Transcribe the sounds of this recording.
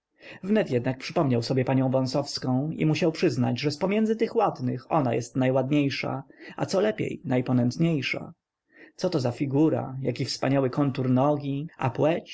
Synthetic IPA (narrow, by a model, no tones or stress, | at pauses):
vnɛt̪jɛd̪nak̚pʂɘpɔmɲawsɔbʲjɛpaɲɔ̃w̃vɔ̃w̃sɔfskɔ̃w̃ḭmuɕawpʂɘzna̰d͡ʑʐɛspɔmʲjɛndzɘt̪ɘxwad̪nɘxɔnajɛst̪najwad̪ɲejʂa̰a̰t̪sɔlɛpʲjḛjnajpɔnɛnt̪ɲejʂa̰ | t̪sɔt̪ɔzafʲiɡuɾa̰jakʲifspaɲawɘkɔnt̪uɾnɔɡʲiapwɛt͡ɕ